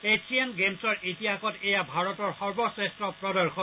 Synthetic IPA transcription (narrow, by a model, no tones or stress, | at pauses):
esʰianɡemsɔɹʔitiakɔtejabʱaɹɔtɔɹxɔɹbɔsɹɛstɹɔpɹɔdɔɹxɔ